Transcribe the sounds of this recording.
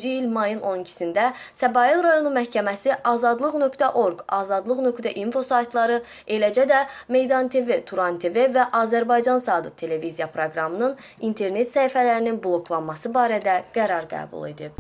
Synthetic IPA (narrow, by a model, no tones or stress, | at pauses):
d͡ʒiilmɑjɯno̞nicʰi̥sind̪æ | sæbɑjilˠɾɑjo̞numæhcʰæmæsiʔɑːzɑd̪lˠɯɣnø̞kt̪ʰæʔo̞ɾɡɑːzɑd̪lˠɯɣnø̞kt̪æʔinfo̞sɑjt̪ʰlˠɑɾɯ | e̞læd͡ʒæd̪æme̞jd̪ɑnt̪ʰe̞ve̞t̪ʰuɾɑnt̪ʰe̞ve̞væʔɑːzæɾbɑjd͡ʒɑnsɑːd̪ɯt̪ʰe̞le̞vizijɑpʰɾoɡɾɑmɯnɯn | int̪ʰe̞ɾne̞t̪sæifælæɾininblˠo̞kʰlˠɑnmɑsɯbɑːɾæd̪æɡ̥æɾɑɾɡæ̰ːbṵlˠḛd̪ib